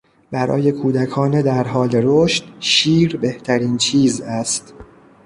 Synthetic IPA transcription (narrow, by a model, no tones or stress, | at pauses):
bæɾɒ̰ːje̞kʰuːd̪ækʰɒːned̪æɾɦɒːle̞ɾoʃt̪ʃiːɾbe̞ht̪ʰæɾiːnt͡ʃʰiːzæst̪